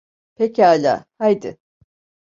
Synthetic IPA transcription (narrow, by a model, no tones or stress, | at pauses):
pʰecaːlʲa̰ːhajd̪ɪ̰